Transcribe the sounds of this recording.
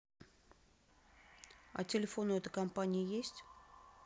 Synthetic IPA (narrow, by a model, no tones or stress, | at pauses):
ɐ̰tʲɪlʲɪfo̞nʊɛt̪ə̥kɐmpanʲɪjəjesʲtʲ